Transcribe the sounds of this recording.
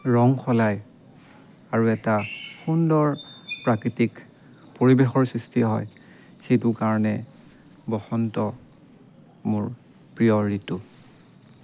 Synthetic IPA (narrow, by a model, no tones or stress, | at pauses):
ɹɔŋxʰɔlaj | aɹuɛtaxundɔɹpɹakɹitik | poɹibexɔɹsɹistʰiɦɔj | xejtʊkaɹɔnɛ | bɔxɔntɔ | mʊɹ | pɹijɔɹitʊ